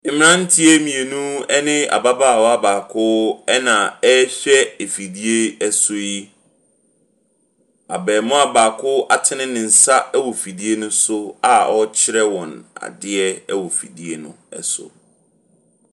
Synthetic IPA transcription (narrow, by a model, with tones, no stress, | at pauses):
ɪ̃˨mɪ̃˦nã˦n̩˦tʰi˦e˦mĩ˨e˨nũ˦ɛ˦nɪ̃˦a̰˨ba˦baː˦˨wɔ˦a˦baː˨kʰʊ˦ɛ˦nã˨ɛ˦ɕᶣɛ˦e˨fi˨di˦e˦ɛ˦so˦i˦ | a̰˨bɛː˨mʊ̃˦a˨baː˨kʰʊ˦a˨tʰɪ˦nɪ̃˦nɪ̃˨n̩˨sa˦ɛ˦wɔ˨fi˨di˦e˦nʊ̃˦sʊ˦a˨ʔɔ˦t͡ɕʰɪ˦ɾɛ˦wɔ̃˨na̰˨dɪ˦ɛ˦ɛ˦wɔ˨fḭ˨di˦e˦nʊ̰̃˦ɛ̰˨sʊ̰˨